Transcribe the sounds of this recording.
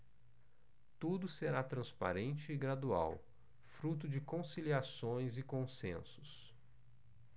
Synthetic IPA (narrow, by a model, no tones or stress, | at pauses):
t̪ud̪ʊseɾat̪ɾɐ̃spa̰ɾẽnt͡ʃɪːɡɾad̪ua̰w | fɾut̪̬ʊd͡ʒɪkõsiliasõj̃zɪkõsḛ̃sʊ̥s